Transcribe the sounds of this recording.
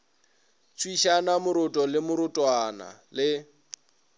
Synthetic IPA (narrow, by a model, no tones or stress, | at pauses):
t͡sʰʼwiʃanamʊɾʊtʼɔlɪmʊɾʊtʼwana̰lɪ